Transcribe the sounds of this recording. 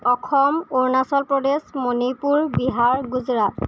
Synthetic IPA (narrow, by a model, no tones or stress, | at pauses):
ɔkʰɔmoɹnasɔlpɹɔdesmonipuɹbiɦaɹɡuzɹat